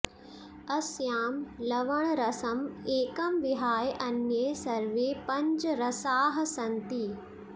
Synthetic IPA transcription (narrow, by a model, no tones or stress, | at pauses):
ɐsjaːmlɐʋɐɳ̃ɾɐsɐmeːkɐmʋiɦaːjʔɐnjɐjsɐɾʋeːpɐ̃ɲd͡ʒɾɐsaːɦɐsɐnt̪i